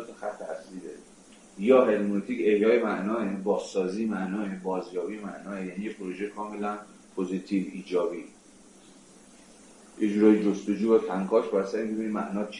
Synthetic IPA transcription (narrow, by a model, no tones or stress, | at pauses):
t̪ʰexæt̪ʰːeæsiːde | jɒːɦe̞lmonot̪ʰiːce̞hjɒːjemæʔnɒːebɒːz̥ːɒːziːmæʔnɒːebɒːzjɒːbijemæʔnɒːejæniːjepʰɾo̞ʒekʰɒːme̞læn | pʰozit̪ʰiːviːd͡ʒɒːbiː | jed͡ʒuːɾɒːjid͡ʒost̪od͡ʒuːbæt̪ʰæŋkʰɒːʃʰbæɾsæɾimbebinimæ̰ʔnɒːt͡ʃʰ